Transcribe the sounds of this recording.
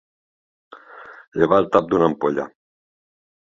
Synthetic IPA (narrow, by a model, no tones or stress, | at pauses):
ʎeβaːlt̪ap̚d̪unampoʎa̰